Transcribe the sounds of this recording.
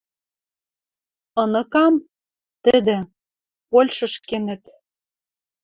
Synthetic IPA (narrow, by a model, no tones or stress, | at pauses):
ɤ̆nɤ̆kɑm | t̪ɘ̆d̪ɘ̆ | polʲʃɤ̆ʃkenɘ̆t̪